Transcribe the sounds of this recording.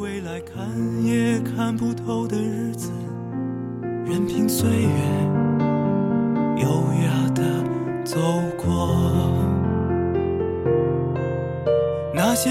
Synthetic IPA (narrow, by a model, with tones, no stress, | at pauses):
we˥ɪla˧˥ɪkʰa˥njɛ˥kʰa˥npu˥˧t̪ʰo˥ʊd̪ə˨ɻ̩˥˧d͡zɹ̩˨˦˩ | ɻə˧˥npʰi˧˥nswe˥ɪɥɛ˧˥n | jo˧ʊja˥˩d̪ə˧˩ | t͡so˥ʊkʰwɔ˥˧ | na˥˩ɕjɛ˥